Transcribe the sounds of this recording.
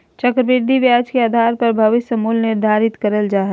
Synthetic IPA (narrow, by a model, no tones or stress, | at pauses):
t͡ʃəkɾəbɪɾd̪ʱiʋjaːd͡ʒkeaːd̪ʱaːɾpɐɾbʱɐʋɪsəmuːlnɪɾd̪ʱaːɾɪt̪kəɾəld͡ʒaːɦə